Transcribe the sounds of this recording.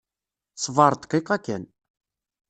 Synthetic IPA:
sˤvɑɾˤt̪ə̥qːiqːækːæn

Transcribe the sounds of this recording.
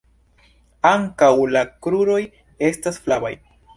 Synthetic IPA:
aŋkawlakɾuɾo̞j | e̞stasflaba̰j

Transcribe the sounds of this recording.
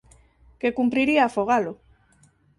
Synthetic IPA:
kekumpɾiɾiaːfoɣalo

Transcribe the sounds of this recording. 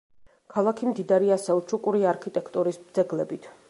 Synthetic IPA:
kʰalˠakʰimd̪id̪aɾiasɛut͡ʃʰukʼuɾiaɾkʰit̪ʼɛkʰt̪ʼuɾisbd̪zɛɡlɛbit̪ʰ

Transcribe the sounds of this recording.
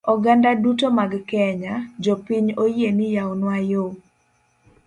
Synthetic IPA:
ɔɡandadutomaɡkɛɲad͡ʒopiɲojenɪjaonwajo

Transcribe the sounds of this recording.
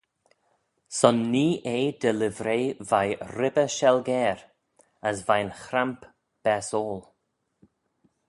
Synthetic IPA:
sɔnːiːʔeːd̪ɛlɪvɾeːvajɾɪbəʃɛlɡɛːɾ | əsvajnxɾamp | b̥ɛsoːl

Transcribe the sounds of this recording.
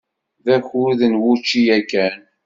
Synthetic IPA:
ðæçuðənwʊt͡ʃːijækːæn

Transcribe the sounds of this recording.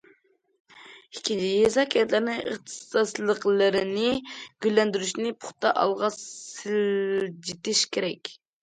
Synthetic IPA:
ɪkʲʰid͡ʒijezɑkʲʰɛt̪lɪɾnɪə̰χt̪ʰɨ̥sɑslˠəqlˠɨɾɪnɪɡ̥ʲylːɛnd̪yɾyʃnɪpʰʊ̥χt̪ɑʔɑlˠʁɑsɪld͡ʒit̪ɪʃkʲʰeɾɛkʲ

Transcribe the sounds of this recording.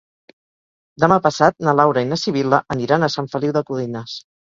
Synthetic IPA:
d̪əmapəsat̪̚nəlawɾəinasiβ̞iləʔəniɾanəsaɱfəliwðəkuðinas

